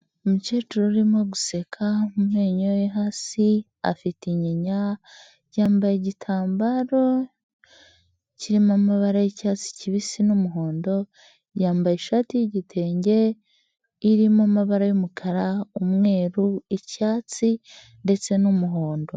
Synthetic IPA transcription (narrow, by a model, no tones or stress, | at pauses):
umuceːt͡ʃuɾoɾimo̞ɡuse̞kʰamumheːɲojeɦasi | a̰fitiɲeɲa | ɟaːmbajeɟitʰaːmbaɾo̞ | ciɾimamaβaɾajecaːt͡si̥ciβisinumuɦo̞ːndo̞ | jaːmbajeʃaːtijiɟitʰe̞ːɲɟe̞ | iɾimamaβaɾajumukʰaɾaumŋe̞ːɾuicaːt͡si | nde̞t͡se̞numuɦo̞ːndo